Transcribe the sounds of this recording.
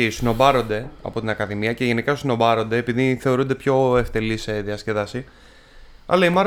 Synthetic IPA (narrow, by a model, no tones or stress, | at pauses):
isino̞bɐɾo̞nd̪e̞ɐ̰po̞t̪inɐkɐðimiɐce̞ʝe̞nikɐsino̞bɐɾo̞nd̪eːpiðiθe̞o̞ɾund̪e̞pço̞e̞ft̪e̞liseðiɐsce̞ðɐsi | ɐ̰lɐimɐɾ